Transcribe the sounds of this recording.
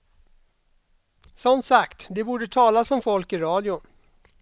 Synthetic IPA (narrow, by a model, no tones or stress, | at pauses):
sɔnt̪sakt̪d̪ɛbuːɖət̪ʰɑːlasɔmfɔlkɪɾɑːd̪ɪʊn